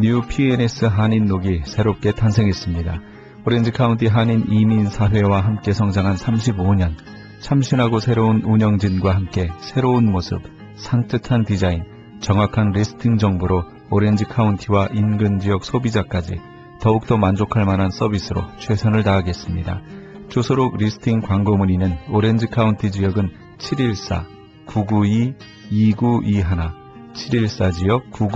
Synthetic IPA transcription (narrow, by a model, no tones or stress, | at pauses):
ɲuupʰienes͈ʰɯɦaɲinːoɡisʰe̞ɾop̚k͈e̞tʰansʰe̞ŋɦe̞s͈ɯmɲida | oɾe̞nd͡ʑɯkʰauntʰiɦaɲiniminsʰaɦwe̞waɦamk͈e̞sʰʌŋd͡ʑaŋɦansʰamɕ̬ʰiboɲʌn | t͡ɕʰamɕʰinɦaɡosʰe̞ɾounuɲʌŋd͡ʑinɡwaɦamk͈e̞sʰe̞ɾounmosʰɯ̰p̚ | sʰaŋt͈ɯtʰantid͡ʑain | t͡ɕʌŋɦwakʰanɾisʰɯ̥tʰiŋd͡ʑʌŋboɾo | oɾe̞nd͡ʑɯkʰauntʰiwaʔinɡɯnd͡ʑijʌk̚sʰobid͡ʑak͈ad͡ʑḭ | tʌuk̚t͈ʌmand͡ʑokʰaɭmanɦans͈ʰʌbisʰɯɾo̰t͡ɕʰwe̞sʰʌnɯɭtaːɡe̞s͈ɯmɲida̰t͡ɕosʰoɾoɡɾisʰɯ̥tʰiŋkwaŋɡomuɲinɯnoɾe̞nd͡ʑɯkʰauntʰid͡ʑijʌɡɯn | t͡ɕʰiɾiɭs͈a̰ | kuɡuiː | ɡuʔiɦana | t͡ɕʰiɾiɭs͈ad͡ʑijʌk̚kuɡ